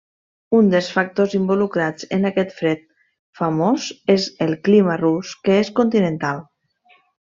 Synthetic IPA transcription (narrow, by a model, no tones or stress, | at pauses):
und̪əlˠsfak̚t̪ozimbulukɾad͡zənakɛt̪fɾɛt̪̚ | fəmozezəlˠkliməruskəeskunt̪inənt̪alˠ